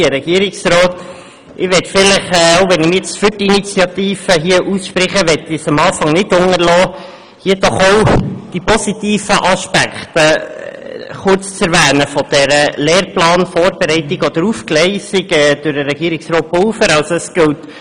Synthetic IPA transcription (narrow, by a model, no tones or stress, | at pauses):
əɾɛɡ̥iəɾɪksɾɔːt | ʔɪʋɛtfɪlɪχɛoʊʋɛnɪmɪjɛt͡stfyɾtiinit͡sjɑt̪iːfəɦiːəʔusʃpɾɪχəʋɛtːisɑmɑːfɑŋnɪdʊŋəɾlɔː | hiəd̥ɔχowd̥ipɔsit̪iːfəʔɑʃpækχt̪ə | χʊrt͡st͡sɛɾʋæːnəfɔd̥ɛɾəlɛːrplɑːnfɔːɾb̥ɛɾɛɪtɪɡɔd̥̪əɾufklɛɪsiɡɛːd̪̥ʊɾdəɾɛɡ̥iəɾiksrɔːt̚polfəɾɑlsəsɡ̥ɪwt